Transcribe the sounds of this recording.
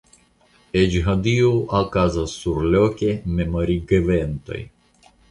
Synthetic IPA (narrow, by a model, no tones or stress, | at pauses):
ed͡ʒɦad̪ioʔakazasːuɾlokʲememoɾiɡevent̪o̰j